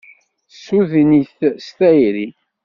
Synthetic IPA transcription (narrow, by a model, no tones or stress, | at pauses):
suðniθst̪æjɾi